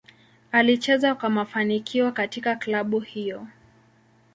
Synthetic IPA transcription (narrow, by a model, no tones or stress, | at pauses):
alit͡ʃɛzakwamafanikʰiwakatikaklaɓuhijɔ